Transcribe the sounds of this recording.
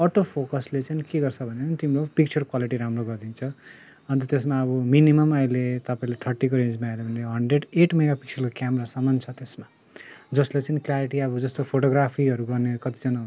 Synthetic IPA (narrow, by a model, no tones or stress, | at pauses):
ʌʈopʰokʌslet͡sʌnikeɡʌrt͡sʰʌbʱʌnet͡sʌnit̪imloɡpik̚t͡sʰʌrkwaliʈiɾamroɡʌrd̪int͡sʰʌ | ʌnt̪ʌt̪esmaʌβʌminimʌmʌjlet̪ʌpaĩleʈʰʌrʈːikoɾend͡zmaelʌbʱʌnleɦʌɳɖreɖeʈmeɡapik̚t͡sʰʌrkokjamɾasʌmːʌnt͡sʰʌt̪esma | d͡zʌslet͡sʌniklaɾiʈiʌbʌd͡zʌst̪opʰoʈoɡrapʰiʌɾuɡʌrnekʌt̪i̥d͡zʌna